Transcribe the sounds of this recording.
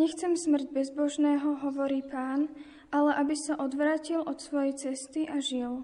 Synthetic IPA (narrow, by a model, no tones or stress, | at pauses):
ɲɛxt͡sɛmsmr̩ɟbɛzbɔʒnɛːɦɔɦɔʋɔɾiːpaːn | ʔalɛʔabisaʔɔd̪ʋɾaːcilʔɔt̪sʋɔjɛjt͡sɛst̪iʔaʒil